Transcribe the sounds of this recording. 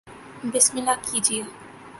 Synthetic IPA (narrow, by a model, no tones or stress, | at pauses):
bɪsmɪlakʰːid͡ʒie